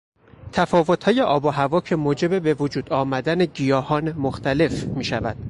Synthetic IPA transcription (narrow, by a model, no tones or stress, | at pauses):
t̪ʰæfɒːvo̞t̪ʰhɒːje̞ʔɒːboɦævɒːcʰe̞moːd͡ʒe̞bebe̞vod͡ʒuːd̪̥ɒːmæd̪æneɟijɒːhɒːnemoxt̪ʰæle̞fmiːʃævæ̰d̪̥̚